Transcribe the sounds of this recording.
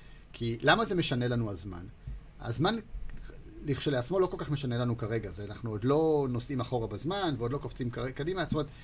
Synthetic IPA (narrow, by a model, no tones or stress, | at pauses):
kʰilamaze̞me̞ʃane̞lanuazma̰n | a̰zman | liχʃoleat͡smo̞lo̞ko̞lkaχme̞ʃane̞lanukaʁe̞ɡazeanaχnuod̪lo̞no̞simaχo̞ʁabazmanveo̞d̪lo̞koft͡simkaekadimatomet̪